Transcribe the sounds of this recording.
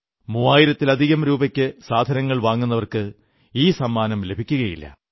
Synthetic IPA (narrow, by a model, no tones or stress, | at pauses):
muːaːjiɾɐt̪ːilɐd̪ʱiɣɐmɾuːbɐkʲːɨsaːd̪ʱɐnɐŋːɐɭʋaːŋːunːɐʋɐrkɨ | iːsɐmːaːnɐmle̞bʱikʲːuɣɐjḭlːɐ̰